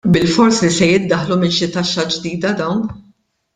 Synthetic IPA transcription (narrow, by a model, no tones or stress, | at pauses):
bɪlfɔɾsisɛjɪd̪ːɐħlumɪnʃɪt̪ɐʃːɐd͡ʒd̪iːd̪ɐd̪ɐwn